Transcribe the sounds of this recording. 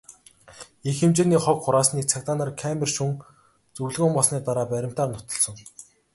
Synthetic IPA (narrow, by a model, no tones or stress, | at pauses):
exemt͡ɕeːniːχɔkχʊɾaːsniːk̚t͡sʰakt̪aːnarkʰæmerʃuŋ | t͡sɵwɮɣʊːmpɔɮsniːt̪aɾaːpæɾʲɪ̆m̥t̪aːrnʊ̥t̪ɞ̆ɮsɞ̆ŋ